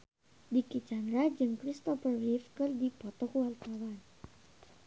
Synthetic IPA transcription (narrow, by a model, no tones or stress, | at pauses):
dikit͡ʃand̪ɾad͡ʒɨŋkɾist̪ɔfərwifkɨrdipɔt̪ɔkuwart̪awan